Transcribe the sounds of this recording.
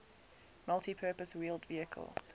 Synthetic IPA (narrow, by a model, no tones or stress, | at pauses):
malˠtʰipʰɜːˑpəswiːlˠdviəkʰə̰lˠ